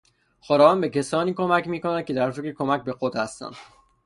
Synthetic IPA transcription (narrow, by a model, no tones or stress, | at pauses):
xoɾɒːvɒnbe̞cʰesɒːniːkʰomæcʰmiːkonæd̪̚cʰe̞d̪æɾfekɾekʰo̞mæcbe̞xod̪hæst̪æ̰nd̪̥